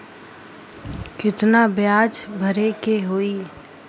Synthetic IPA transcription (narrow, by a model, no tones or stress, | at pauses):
kɪt̪nabjaːd͡ʒbʱəɾekeɦoːiː